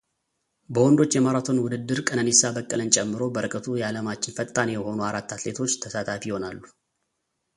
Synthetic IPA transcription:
bəwɔnd̪o̞t͡ʃːjɛmaɾat̪ʰo̞nwʊd̪ɨd̪ːɨɾkʼənənesabəkʼːələnt͡ʃʼɛmːɨɾo̞bəɾɨkʼət̪ʰujɛaləmat͡ʃːɪnfət̪ʼːanejɛho̞nuaɾat̪ːat̪le̞t̪ʰo̞t͡ʃːt̪ʰəsat̪ʰafijɪho̞nalːu

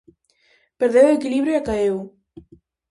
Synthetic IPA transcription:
peɾðewekiliβɾjoakaew

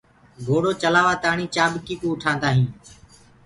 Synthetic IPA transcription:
ɡʱoːɽoːt͡ʃəlaːʋaːt̪aːɳiːt͡ʃaːbkiːkuːʊʈʰãːnd̪aːɦĩː

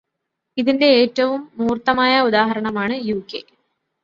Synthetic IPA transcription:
iðinde̞eːtːɐʋumːuːrt̪ɐmaːjɐud̪aːɦɐɾɐɳɐmaːɳɨjuːkːe̞

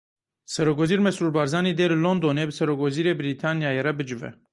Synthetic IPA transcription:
sɛɾokwɛziːɾmɛsuːɾbɑːɾzɑːneːd̪eːlɨlond̪oneːbɨsɛɾokwɛziːɾeːbɨɾit̪ʰɑːnjɑːjeɾɛbɨd͡ʒɨvɛ̰

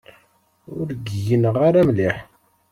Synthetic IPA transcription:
ʊɾɡjənəʁaɾæmliħ

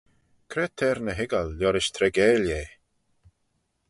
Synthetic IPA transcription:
kʰɾɛːt̪ʰɛːɾnəɦɪɡalːjɔɾɪʃt̪ʰɾɛɡɛːlje

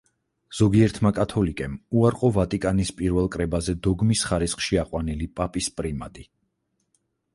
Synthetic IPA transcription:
z̥ɔɡiɛɾt̪ʰmakʼat̪ʰɔlikʼɛmuaɾqʼɔvat̪ʼikʼanispʼiɾvɛlˠkʼɾɛbazɛd̪ɔɡmisχaɾisχʃiaqʼwanilipʼapʼispʼɾimad̪i

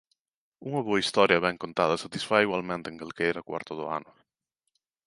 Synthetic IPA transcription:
uŋɐβoɐist̪ɔɾjɐβɛŋkont̪að̞ɐsat̪isfaiɣwalmẽnt̪eŋkelkeɛɾakwa̰ɾt̪ʊðʊa̰nʊ

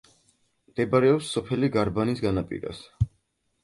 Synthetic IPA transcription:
md̪̥ɛbaɾɛɔpsːɔpʰɛliɡaɾbanisɡanapʼḭɾa̰s

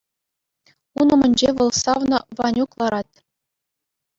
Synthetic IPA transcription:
unumɘ̆nʲd͡ʑeʋɤ̆lˠsɑʋnɤ̆ʋɑnʲuklˠɑɾɑt̪̚

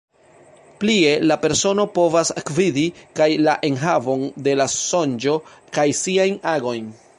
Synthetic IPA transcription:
plie̞lape̞ɾso̞no̞po̞vasakvidikajlaʔe̞nɦavo̞nde̞laso̞nd͡ʒo̞ | kajsiajnaɡo̞jn

